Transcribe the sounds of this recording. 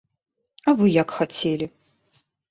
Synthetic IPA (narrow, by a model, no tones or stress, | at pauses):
avɨjakxat͡sʲelʲi